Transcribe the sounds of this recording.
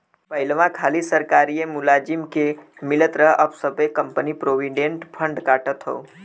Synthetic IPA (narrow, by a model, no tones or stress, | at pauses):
pəɪlʋãkʰaːlisəɾkaːɾijemʊlad͡ʒimkemɪlət̪ɾəɦʔəbsəbʱekəmpənipɾoʋĩɖeɳʈpʰəɳɖkaːʈət̪ɦo̰ː